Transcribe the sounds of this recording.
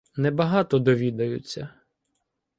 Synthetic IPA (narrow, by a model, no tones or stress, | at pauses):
nɛbɐɦɑt̪ɔd̪ɔʋʲid̪ɐjʊ̰t͡sʲːɐ